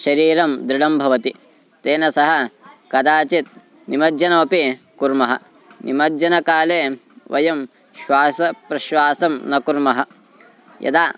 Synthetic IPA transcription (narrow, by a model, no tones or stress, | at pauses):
ʃɐɾiːɾɐmd̪ɾiɽɐmbʱɐʋɐt̪i | t̪eːnɐsɐɦɐ̆kɐd̪aːt͡ʃit̪̚ | nimɐd͡ʒɐnɐmɐpi | kuɾmɐɦɐ̰ | nḭmɐd͡ʒɐnɐkaːleːʋɐ̰jɐm | ʃʋaːsɐpɾɐʃʋaːsɐmnɐkuɾmɐɦɐ̆ | jɐ̰d̪aː